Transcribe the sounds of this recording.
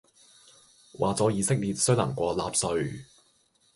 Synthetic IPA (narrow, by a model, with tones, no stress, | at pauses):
wʔa̰ː˨t͡sɔː˨˥jiː˨˧sɪ˥k̚liː˨t̚sɵ˥ɥla̰˨˩ŋkʷɔː˧laː˧p̚sɵ˧ɥ